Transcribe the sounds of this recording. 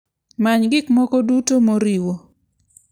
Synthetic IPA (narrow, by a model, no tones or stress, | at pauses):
maɲɡɪkmɔkɔdutomoɾiwo